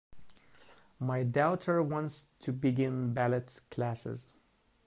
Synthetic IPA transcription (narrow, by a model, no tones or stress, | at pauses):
maɪdaʊtʰə˞wɑ̃nstʰɨbiɡɪ̃nbælətkʰlæsɪ̰z